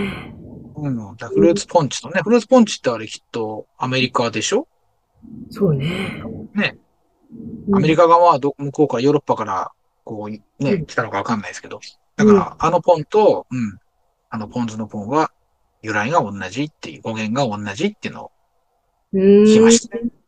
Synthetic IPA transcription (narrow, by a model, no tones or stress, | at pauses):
ɯ̃ɴd̪aɸɯ̟ɾɯ̟ːt͡sɨ̥pʰõ̞ɲ̟t͡ɕi̥t̪o̞ne̞ɸɯ̟ɾɯt͡sɨ̥põɲ̟t͡ɕi̥t̪ːeaɾekʲi̥t̪ːo̞ame̞ɾʲikad̪e̞ɕo̞ | soːnene̞ | ame̞ɾʲikaɡaβad̪o̞komoko̞ːkajo̞ːɾo̞pːakaɾa̰ | ko̞ː | ne̞kʲi̥t̪anokaβ̞akanːaisɨ̥ke̞d̪o̞ | d̪̥akaɾa̰ano̞põ̞nt̪o̞ɯ̟̃ɴ | ano̞pʰõ̞nzɨno̞põ̞ɰ̃βa | jɯ̟ɾaiɡaõ̞nːaʑit̪ːe̞̰jɯ̟o̞ɡẽ̞ŋɡaõ̞nːaʑit̪ːeiɯ̟no̰o̰ | ɯɕimaɕi̥t̪a